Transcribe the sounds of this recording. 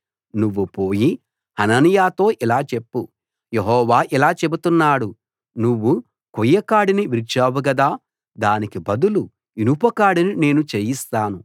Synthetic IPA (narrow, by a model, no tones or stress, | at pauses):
nuʋːupo̞ːji | hɐnɐnijaːt̪o̞ːʔilaːt͡ʃe̞pːu | jeɦɔːʋaːʔilaːt͡ʃe̞but̪unːaːɽu | nuʋːu | kujːɐkaːɽiniʋiɾt͡ʃaːʋuɡɐd̪aː | d̪aːnikibɐd̪ulu | inupɐkaːɽinine̞ːnut͡ʃeːjist̪aːnu